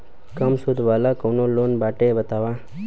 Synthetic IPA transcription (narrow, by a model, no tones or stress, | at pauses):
kəmsʊd̪ʱʋaːlakonoloːnbaːʈebət̪aʋa